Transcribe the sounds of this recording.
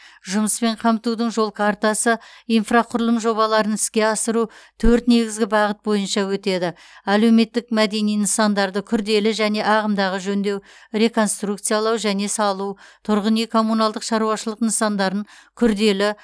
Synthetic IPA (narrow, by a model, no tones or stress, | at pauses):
ʒʊməspe̞ɴqʰɑmt̪ud̪əɴʒo̞lˠkʰart̪asəijnfraqʰʊɾlˠəmʒo̞βɑlˠɑɾənɪskʲe̞ɑsəɾut̪ʰɵɾt̪ne̞ɡʲɪzɡʲɪbɑʁət̪̚bo̞jənʃɑwɵt̪e̞d̪ɪ | æle̞wme̞t̪ːɪkmæd̪e̞nijnəsɑnd̪ɑɾd̪əkʲʰʏɾd̪e̞lɪʒæne̞ʔɑʁəmd̪ɑʁəʒɵnd̪e̞wɾʲe̞ko̞nst̪ruk̚t̪sɨjɑlˠɑwʒæne̞sɑlˠuwt̪ʰʊɾʁənijkʰo̞munɑlˠd̪əqʃɑɾuwɑʃəlˠəqnəsɑnd̪ɑɾəɴkʲʰʏɾd̪e̞lɪ